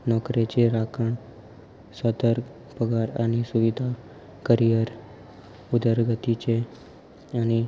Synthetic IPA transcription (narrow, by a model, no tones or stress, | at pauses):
nɔkɾet͡ʃʰeɾakʰəɳ | sɔd̪əɾ | pəɡaɾanisuʋid̪ʱa | kəɾijəɾ | ud̪ʱəɾɡət̪it͡ʃʰe | ani